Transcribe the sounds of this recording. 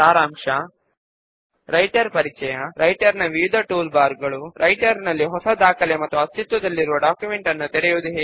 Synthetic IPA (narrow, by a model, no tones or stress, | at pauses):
aːɾaːmʂɐ | ɾɐjʈɐɾpɐɾit͡ʃɛjɐɾʔɐjʈɐɾnɐʋijud̪ʱɐʈuːlbaːɾɡɐɭuɾʔɐjʈɐɾnɐlːiɦɔsɐd̪aːkʰɐlemɐt̪ːuɐst͡ʃit̪ʋɐd̪ɐlːiɾuʋɐɖaːkjumeɳʈɐnːut̪ɛɽɛjuʋd̪uɦeː